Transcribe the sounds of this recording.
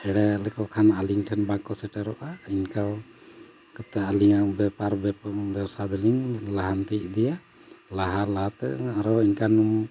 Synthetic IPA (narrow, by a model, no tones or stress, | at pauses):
ɛɽɛlɛkɔkʰanaliŋʈʰɛnbakɔsɛʈɛɾɔʔainkaw | kət̪ɛaliŋabɛpaɾbbɛwsad̪ɔliŋlaɦant̪id̪ɛja | laɦalaɦat̪ɛ̰aɾɔinkanum